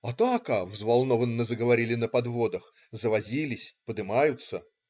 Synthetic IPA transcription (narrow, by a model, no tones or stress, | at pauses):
ɐt̪akɐvzvalˠno̞vənːəzəɡəvɐɾʲilʲɪnəpɐd̪vo̞d̪əx | zəvɐzʲilʲɪsʲpəd̪ɨmajʊt̪sə